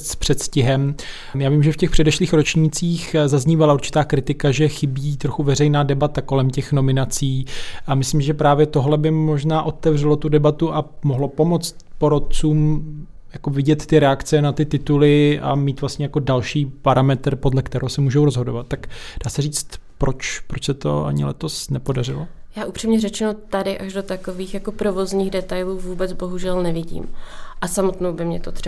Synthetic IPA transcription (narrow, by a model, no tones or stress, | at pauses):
spr̥ɛt̪scɪɦɛm | jaːviːmʒɛfcɛxpr̝̥ɛdɛʃliːxɾo̞t͡ʃɲiːt͡siːxzazɲiːvalauɾt͡ʃɪ̥t̪aːkɾɪt̪ɪkaʒɛxɪbiːt̪ɾo̞xuvɛrɛjnaːdɛbat̪ako̞lɛmcɛxno̞mɪnat͡siːʔamɪslimɪʒɛpɾaːvjɛt̪o̞ɦlɛbɪmo̞ʒnaːʔo̞t̪ɛvr̝ɛlo̞t̪udɛbat̪uʔamoɦlo̞po̞mo̞t͡st̪po̞ɾot̪̚t͡suːm | jakovɪɟɛt̪ːɪɾɛakt͡sɛnat̪ɪt̪ɪt̪ulɪʔa̰miːt̪vlast̪ɲɛjakodalʃiːpaɾʔamɛt̪r̩po̞dlɛkt̪ɛɾowsɛmuːʒowɾozɦo̞do̞vat̪̚ːakd̥aːsɛr̝iːt͡st̪pɾot͡ʃpɾot͡ʃsɛt̪o̞̰a̰ɲɪ̰lɛ̰t̪o̞snɛpo̞dar̝ɪlojaːʔupr̥iːmɲɛɾɛt͡ʃɛnot̪adɪʔaʒdo̞t̪akoviːxjako̞pɾo̞vo̞zɲiːɣdɛt̪ajluːvuːbɛt͡sbo̞ɦuʒɛlnɛvɪɟḭːmʔasamot̪nowbɪmɲɛt̪ot̪r̥ɛ